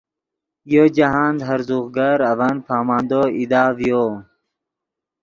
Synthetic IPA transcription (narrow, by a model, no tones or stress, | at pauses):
jod͡ʑaɦaːnd̪ɦɐɾzuɣɡaɾɐvanpʰaːmaːnd̪oid̪aːvjoː